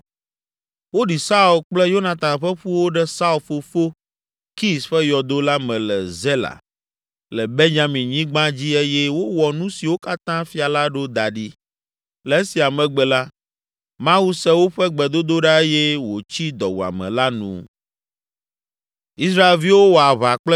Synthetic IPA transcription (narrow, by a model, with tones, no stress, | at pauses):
wo˦ɖi˨sa˦u˨lk͡plɛ˦jo˦nã˨t̪ã˨nɸɛ˦ɸu˦wo˦ɖɛ˦sa˦u˦˨lfo˨fo˦ | ki˦sɸɛ˦jɔ˨d̪o˦la˦mɛ̃˨lɛ̰˨zɛ˦la̰˨ | lɛ˨be˦ɲã˦mĩ˨ɲĩ˦ɡ͡bã˦d͡ʑi˦e˦jɛ˦wo˦wɔ˨nũ˦si˨wo˦ka˦t̪ã˦fi˦a˨la˦ɖo˦d̪a˨ɖi˦ | lɛ˨e˦si˨a˨mɛ̃˨ɡ͡bɛ˨la˦ | mã˦wu˦sɛ˦wo˦ɸɛ˦ɡ͡bɛ˨d̪o˦d̪o˦ɖa˦e˦jɛ˦wo˨t͡ɕi˦d̪ɔ˨wu˨a̰˨mɛ̰̃˨la˦nṵ̃˦ | i˦s̬ɾa˦e˨lvi˦wo˦wo˨a˨βa˨k͡plɛ˦